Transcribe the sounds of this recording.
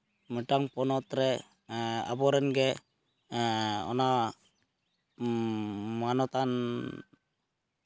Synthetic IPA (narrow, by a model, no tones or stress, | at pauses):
məʈaŋpɔnɔt̪ɾɛ | a̰bɔɾɛnɡɛ | ɔ̰na | manɔt̪an